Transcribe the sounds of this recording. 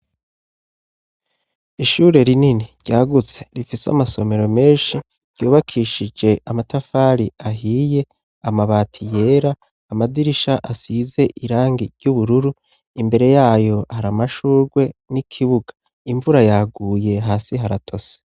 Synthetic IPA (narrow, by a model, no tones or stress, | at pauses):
iʃuːɾe̞ɾininiɾɟ̥aːɡut͡se̞̥ɾifisa̰maso̞me̞ɾo̞me̞ːnʃi | ɾ̥ɟjuːβakʰiʃid͡ʒe̞ʔamatafaɾiaɦiːje̞ | amaβaːtʰije̞ːɾaː | madiɾiʃaʔasize̞ʔiɾaːŋɡiɟuβuɾuɾu | imbe̞ɾe̞jaːjo̞haɾamaʃuːɾɡwe̞nikʰiβuɡḁ | iɱvuɾajaɡuːje̞ɦaːsiɦaɾatʰo̞se̥